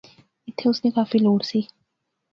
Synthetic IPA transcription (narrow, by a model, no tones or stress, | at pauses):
ɪt̪ʰːeʊsnikaːfiloːɽsiː